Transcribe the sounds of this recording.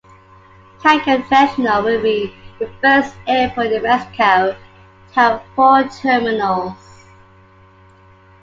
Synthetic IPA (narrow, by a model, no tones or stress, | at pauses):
tʰaɪkə̃nsɛʃənəlˠwɪlˠbiðəfɜˑstɛfəðəɹɛskʰaʊ | tʰafɔtʰɜːmɪnəlˠz̥